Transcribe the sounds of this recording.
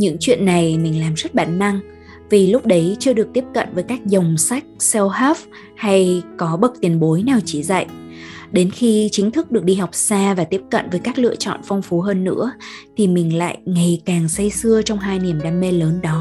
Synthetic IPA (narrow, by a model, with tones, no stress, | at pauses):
ɲɨ̰˧˥ŋt͡ɕwḭ˧˨ənːa˨˩jmï˨˩ŋ̟laː˨˩mzə˦˥t̚ɓaː˧˩nːa˧ŋ | vi˨˩lʊ˦˥k͡p̚ɗə˨˦jt͡ɕɨ˧əɗɨ˨˩ək̚t̪i˦˥əp̚kə̰˧˨nvəː˨˦jkaː˦˥k̚zə˨˩wŋ͡msa˦˥jk̚sɛ˧whaː˦˥f | ha˧jkɔ˨˦ɓə˨˩k̚t̪i˨˩ənɓo˨˦jnɛ˨˩wt͡ɕi˧˩za̰˧˨jʔɗe˨˦nxi˧t͡ɕï˨˦ŋ̟t̪ʰɨ˦˥k̚ɗɨ˨˩ək̚ɗi˧ha˨˩wk͡p̚saː˧vaː˨˩t̪i˦˥əp̚kə̰˧˨nvəː˨˦jkaː˦˥k̚lɨ̰˧˨ət͡ɕɔ̰˧˨nfa˧wŋ͡mfu˨˦ɦəː˧nːɨ̰˧˥ət̪ʰi˨˩mï˨˩ŋ̟la̰ː˧˨jjŋa˨˩jkaː˨˩ŋsə˧jsɨ˧ət͡ɕɔ˧wŋ͡mɦaː˧jni˨˩əmɗaː˧mːe˧ləː˨˦nɗɔ˨˦